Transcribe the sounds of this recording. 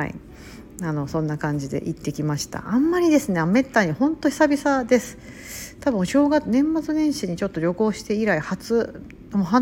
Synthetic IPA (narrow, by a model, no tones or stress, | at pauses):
ḭ | ano̞sõ̞nːakãɲ̟d͡ʑid̪e̞̰ʔit̪ːe̞kʲimaɕi̥t̪a̰ʔamːaɾʲid̪e̞sɨne̞ame̞t̪ːaɲ̟ihõ̞nt̪o̞çʲi̥sabʲisad̪e̞sɨ̥ | t̪abɯ̟̃ɕo̞ːɡanẽ̞mːat͡sɨnẽ̞ɰ̃ɕiɲ̟it͡ɕo̞t̪ːoɾʲo̞ko̞ːɕi̥t̪e̞iɾaihat͡sɨ | moɦa